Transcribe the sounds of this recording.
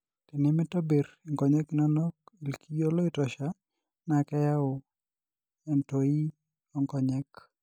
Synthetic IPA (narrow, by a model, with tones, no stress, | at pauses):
tɪ˨nɪ˦mɪ˦tɔ˦be˨ɾ | i˨ŋɡɔ˨ɲɛ˦knɔ˦nɔ˦ki˨lkʰi˦jo˦lo˦ɪ˦tɔ˨ʃa˦ | nakɛ˦ja˦ʊ˨ | ɛ˨nto˨i˦ | ɔŋkɔ˨ɲɛk